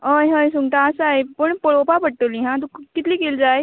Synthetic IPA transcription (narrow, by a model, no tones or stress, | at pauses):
ɦəjɦəjsuŋɡʈ̪aːsaepəɳpəɭopapəɽʈəliːɦãt̪uːkit̪liːkeld͡zaj